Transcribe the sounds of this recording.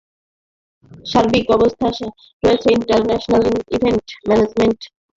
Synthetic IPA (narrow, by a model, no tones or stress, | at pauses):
ʃaɾbikɔbost̪ʰaʃa | ɾɔet͡ɕʰeiɳʈaɾnɛʃonalibʱeɳʈmɛned͡ʑmeɳʈ